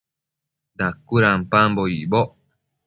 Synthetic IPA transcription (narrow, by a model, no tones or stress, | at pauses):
d̪akːuɾampamboiboʔ